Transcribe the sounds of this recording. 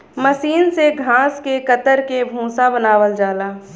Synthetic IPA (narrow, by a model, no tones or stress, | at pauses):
məsiːnseɡʱãːskekət̪əɾkebʱũːsabənaːʋəld͡ʒaːlaː